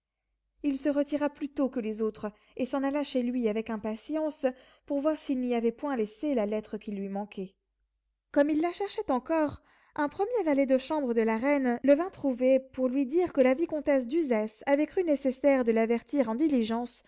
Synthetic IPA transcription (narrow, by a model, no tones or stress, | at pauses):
ilsəʁət̪iʁaplyt̪okəlezot̪χ | esɑ̃nalaʃelɥiavɛkɛ̃pasjɑ̃s | puʁvwaʁsilniavɛpwɛ̃leselalɛt̪χəkʲilɥimɑ̃kɛ | kɔmilːaʃɛʁʃɛt̪ɑ̃kɔʁ | ɛ̃pχəmjevalɛd̪əʃɑ̃bʁəd̪əlaʁɛnləvɛ̃t̪χuvepuʁlɥid̪iʁkəlavikɔ̃t̪ɛs̬d̪yzɛsavɛkχynesesɛʁd̪əlavɛʁt̪iʁɑ̃d̪iliʒɑ̃s